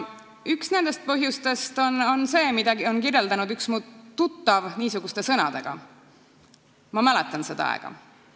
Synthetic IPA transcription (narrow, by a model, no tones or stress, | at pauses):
yksne̞nd̪̥e̞st̪̚pɤɦjust̪e̞st̪ono̞nse̞ːmid̪̥ɑɡio̞nkirje̞ld̪̥ɑnud̪yksmuːt̪ːut̪ːɑvniːsuɡ̥ust̪e̞sɤnɑd̪̥e̞ɡ̥ɑ̰ | mɑmæle̞t̪ˑːɑnse̞d̪̥ɑ̰ɑ̰ɡ̥ɑ̰